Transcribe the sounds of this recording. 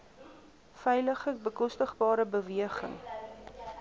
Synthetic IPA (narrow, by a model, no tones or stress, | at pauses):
fɛjləχəbəkɔstəχbɑːɾəbəviəχə̰ŋ